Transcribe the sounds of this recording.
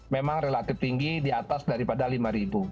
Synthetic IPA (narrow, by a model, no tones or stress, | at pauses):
memaŋrelat̪ɪft̪iŋɡidiat̪asdaɾipadalimaɾibu